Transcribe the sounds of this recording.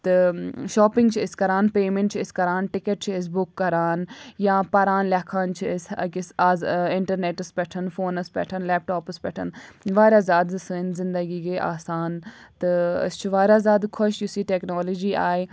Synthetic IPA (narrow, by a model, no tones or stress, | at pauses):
t̪ɐʃɔːpɪ̃ŋɡt͡ʃʰɪskɐɾaːnpeːmẽɳʈt͡ʃʰɪskɐɾaːnʈɪkəʈ̚t͡ʃʰɪs̬bʊkːɐɾaːnjãːpɐɾaːnlaːkʰaːnt͡ʃʰɪskɪsaːzɪɳʈəɾneːʈɐspɛʈʰənfoːnəspɛ̰ːʈʰənlɛːp̚ʈoːpəspɛːʈʰə̰nʋaːɾjaːzjaːd̪sənzɪ̃nd̪əɡiːɡeːʔa̰ːsaːnt̪ɨɪ̰st͡ʃʰʋaːɾʲjaːzjaːd̪kʰʊʃjʊsiːʈɛːknoːloːd͡ʒiːaːe